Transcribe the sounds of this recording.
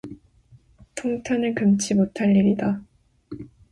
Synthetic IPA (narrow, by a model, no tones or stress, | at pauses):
tʰoŋtʰanɯɭkɯmt͡ɕʰimotʰaʎːiɾida